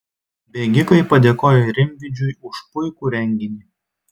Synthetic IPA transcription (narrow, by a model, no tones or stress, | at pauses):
bʲeːɡʲɪkɐɪpɐd̪ʲeːkoːjoɾʲɪmʲʋʲɪd͡ʒʲʊjʊʃpʊɪkuːɾʲɛŋʲɡʲɪnʲi